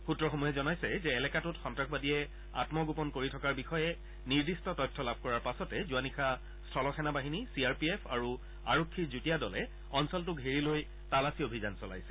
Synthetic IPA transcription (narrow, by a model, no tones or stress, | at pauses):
xutːɹɔxomuɦɛzɔnajsɛzɛːlɛkatʊtxɔntɹaxbadiɛ | a̰tmɔɡupɔnkoɹitʰɔkaɹbixɔjɛ | niɹdistɔtɔjtʰːɔlabʱkɔɹaɹpasɔtɛzuanixʰa | stʰɔlɔxɛnabaɦinisiaɹpiepʰa̰ɹu | a̰ɹokʰːiɹzutijadɔlɛ | ɔnsɔlt̬ʊkɦiɹiloj | talasiobʱizansɔla̰jsɛ̥